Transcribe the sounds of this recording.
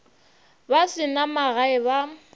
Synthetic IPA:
basɪnamaɣaɪβa

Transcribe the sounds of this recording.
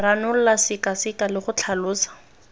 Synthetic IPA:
ranʊl̩lasɪkasɪkalɪχʊt͡ɬʰalʊːsḁ

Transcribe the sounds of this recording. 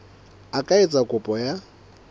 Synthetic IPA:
akʼaet͡sʼakʼʊpʼɔja

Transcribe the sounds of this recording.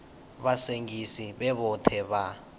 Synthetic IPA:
βaseŋɡisiβɛβɔtʰɛβa

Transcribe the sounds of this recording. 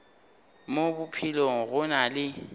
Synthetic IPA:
mobʊpʰiloŋ̩ɣʊnalɪ

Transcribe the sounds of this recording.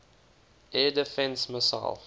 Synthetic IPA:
ʔɛdəfɛ̃nsməsa̰ɪlˠ

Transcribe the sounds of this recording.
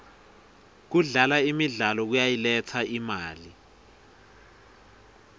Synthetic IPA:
k̬uɮalaimiɮalɔk̬ujajilɛt͡sʰaimaːli

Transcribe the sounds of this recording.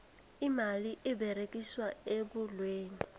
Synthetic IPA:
imaliʔɪbɛɾekʼiswaebʊlweːni

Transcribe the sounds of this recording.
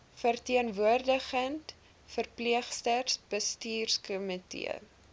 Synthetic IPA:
fərtiənvuərdəχənt | fərpliəχstərsb̥əstiːrskɔmitḭə̰

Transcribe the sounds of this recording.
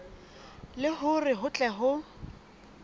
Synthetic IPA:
lɪɦʊrɪɦʊt͡ɬʼɛɦʊ

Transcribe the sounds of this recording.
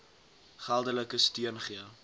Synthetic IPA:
χælˠdələkəstiənχiə

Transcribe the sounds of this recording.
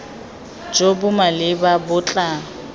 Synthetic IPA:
d͡ʒobʊmalɪbabʊt͡ɬʼa

